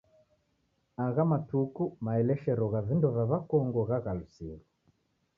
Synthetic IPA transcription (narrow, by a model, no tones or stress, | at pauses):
aɣamatukumaɛlɛʃɛɾɔɣavindɔvaβakɔŋɡɔɣaɣalusḭɾu